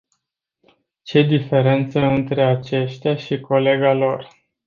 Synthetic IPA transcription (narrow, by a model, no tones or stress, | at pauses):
t͡ʃe̞d̪ife̞ɾe̞nt̪səɨnt̪ɾe̞at͡ʃe̞ʃt̪eaʃiko̞le̞ɡalo̞r